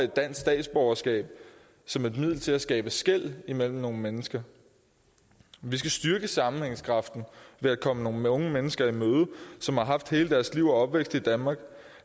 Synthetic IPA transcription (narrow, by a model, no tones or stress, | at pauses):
e̝d̥ːæn̰sd̥ɛ̰ːd̥sb̥ɒʊɐsɡ̥ɛ̰ːb̥̚ | sɒ̽me̝d̥mið̰ˠl̩t͡sʰe̝læsɡ̥ɛ̰ːb̥əsɡ̥el̰imel̰m̩no̝ːn̩menəsɡ̥ɐ | ʋis̬ɡ̥æsd̥yɐɡ̥əsɑ̈mn̩heŋəskʰʁɑ̈fd̥n̩ʋe̝ækʰɒ̽məno̝ːn̩ɔ̽ŋəmenəsɡ̥ɐimøːð̞ˠəsɒ̽mhɑ̈ɦɑ̈fd̥he̝ːləd̥æɐsliʊ̰ɒɒ̽b̥ʋeɡ̥sd̥ˠid̥ænmɑ̈ːɡ̥